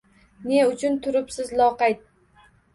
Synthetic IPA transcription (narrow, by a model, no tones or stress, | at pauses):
ne̞ʊt͡ʃʰʊnt̪ʰʊɾɪpsɪzlˠɒqɑjt̪̚